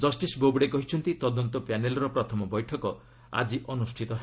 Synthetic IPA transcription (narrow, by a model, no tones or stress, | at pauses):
d͡ʒɔsʈisbobɽekɔɦit͡ʃʰɔnt̪it̪ɔd̪ɔnt̪ɔpanelɔɾɔpɾɔt̪ʰɔmɔbɔjʈʰɔkɔ | a̰d͡ʒiʔɔnusʈʰit̪ɔɦe